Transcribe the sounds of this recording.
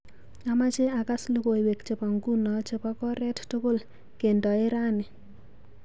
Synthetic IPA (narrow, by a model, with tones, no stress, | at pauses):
ama˦t͡ʃe˦a˨ka˦slo˦ko˨i˨we˨kt͡ʃe˨pa˨ŋɡu˦nɔ˨t͡ʃɪ˨pɔ˦kɔ˦ɾɛ˦ttʊ˦ko˦l | ke˨ndɔ˨e˦ɾa˦nɪ˨